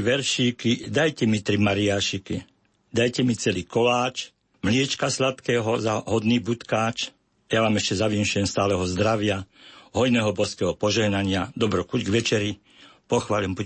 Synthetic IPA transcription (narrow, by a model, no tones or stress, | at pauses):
ʋɛɾʃiːkid̪ajcɛmit̪ɾimaɾiaːʃikḭ | d̪ajcɛmit͡sɛliːkɔlaːt͡ʃ | mlɪɛt͡ʃkaslat̪kɛːɦɔzaɦɔd̪niːbut̪kaːt͡ʃ | jaʋaːmɛʃcɛzaʋinʃʊjɛmst̪aːlɛɦɔzd̪ɾaʋɪaɦɔjnɛːɦɔbɔskɛːɦɔpɔʒɛɦnaɲɪad̪ɔbɾɔkuɟɡʋɛt͡ʃɛɾi | pɔxʋaːʎɛmbu